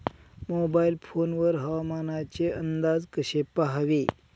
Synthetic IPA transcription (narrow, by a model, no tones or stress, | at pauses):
mobailfonʋəɾɦəʋamanat͡ɕeənd̪ad͡zkəɕepaɦaʋe